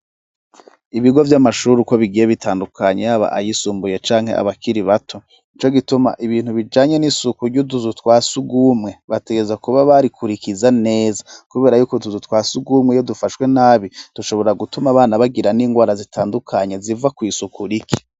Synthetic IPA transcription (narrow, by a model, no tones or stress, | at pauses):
iβiɡo̞vjamaʃuɾuko̞βiɡijeβitʰaːndukʰaɲejaβa̰ʔa̰jisuːmbuje̞t͡ʃaːŋhe̞̰ʔa̰βakʰiɾiβatʰo̞ | it͡ʃo̞ɡituma̰ʔiβiːn̥huβid͡ʒaːɲe̞nisukuɾɟuduzutwaːsuɡumŋe̞βate̞ɡe̞zakuβaβaɾikʰuɾikizane̞ːzakuβe̞ːɾajuːkotuzutwaːsuɡumŋejo̞dufaʃwe̞naːβid̥uʃo̞βo̞ɾaɡutumaβaːnaβaɡiɾaniːŋɡwaːɾazitʰaːndukʰaɲe̞zivakwisukuɾikʰi̥